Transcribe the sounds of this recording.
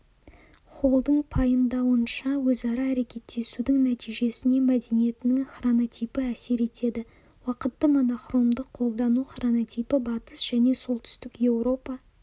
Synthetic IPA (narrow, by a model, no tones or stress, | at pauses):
χʰo̞lˠd̪əɴpʰɑjəmd̪ɑwənʃɑwɵzɑɾɑːɾe̞kʲe̞t̪ːe̞sud̪ɪŋnæt̪ijʒe̞sɪne̞mæd̪e̞nije̞t̪ɪnɪŋχronot̪ʲijpɪæse̞ɾe̞t̪e̞d̪ɪ | wɑqət̪ːəmo̞noχro̞md̪əqʰo̞lˠd̪ɑnuχronot̪ijpɪbɑt̪əsʒ̥æne̞so̞lˠt̪ʰʏ̥st̪ɪkje̞wro̞pɑ